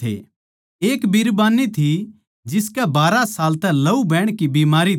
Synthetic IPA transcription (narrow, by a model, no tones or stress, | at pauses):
ḛ | eːkbiɾbaːnit̪ʰi | d͡ʒɪskɛbaːɾasaːlt̪ɛlɐubɛːɽ̃kibiːmaːɾi